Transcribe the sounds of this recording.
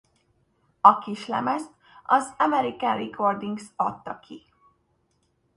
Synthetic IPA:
ɒkiʃlɛ̰mɛst̪ | ɒzɒmɛɾikaːrikord̪iŋɡsɒt̪ːɒkʰi

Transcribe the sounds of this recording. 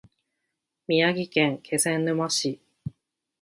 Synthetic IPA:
mʲiaɡʲikẽŋkʰe̞zẽnːɯ̟maɕi

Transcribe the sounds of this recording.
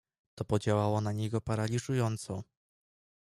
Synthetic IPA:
t̪ɔpɔd͡ʑawawɔnaɲeɡɔpaɾalʲiʐujɔnt̪sɔ

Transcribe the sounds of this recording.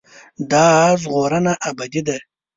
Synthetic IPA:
d̪ɑzʁoɾənaʔːbad̪id̪a

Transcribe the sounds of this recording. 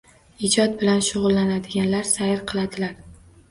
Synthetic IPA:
ɪd͡ʒɒt̪̚bɪlanʃʊʁʊlˠːanad̪ɪɡʲanlaɾsajɾqʰɨlˠad̪ɪlaɾ

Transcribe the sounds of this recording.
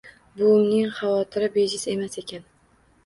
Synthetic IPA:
bʊʊmnɪŋχɑvɒt̪ʰɪɾɪbed͡ʒɪse̞mase̞kʲan

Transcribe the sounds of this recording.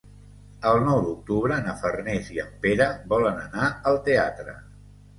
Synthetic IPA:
əlˠnɔwd̪uk̚t̪uβɾənəfərneziəmpeɾəβɔlənənaəlˠt̪ea̰t̪ɾə̰

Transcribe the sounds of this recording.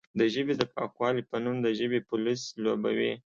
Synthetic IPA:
d̪əʒəbed̪əpɑkwɑlipənumd̪əʒəbepʊlisloba̰wḛ

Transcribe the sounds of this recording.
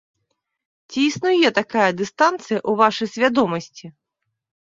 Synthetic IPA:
t͡sʲiːsnujɛt̪akajɐd̪ɨst̪ant̪sɨjɐʔuvaʂɨjsʲvʲad̪ɔmɐsʲt͡sʲi

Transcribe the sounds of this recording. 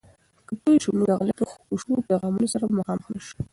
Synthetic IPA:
kət̪ojʃumuɡaɣlat̪əxuʃupajɣɑmunosaɾamaxɑmxnaʃu̥

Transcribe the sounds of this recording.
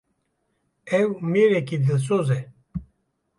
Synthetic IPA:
ewmiɾekid̪əls̬oze

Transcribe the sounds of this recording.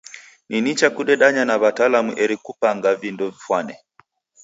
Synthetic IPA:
ninit͡ʃakuɗɛɗaɲanaβatalamuʔɛɾikupaŋɡavindɔvifwanɛ

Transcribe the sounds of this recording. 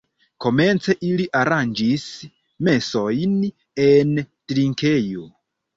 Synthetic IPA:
ko̞me̞nt͡se̞ʔiliʔaɾand͡ʒis | me̞so̞jn | e̞ntɾiŋke̞jo

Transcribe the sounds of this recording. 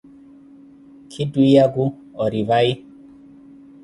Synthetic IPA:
kʰɪduijaɡu | ɔɾivai

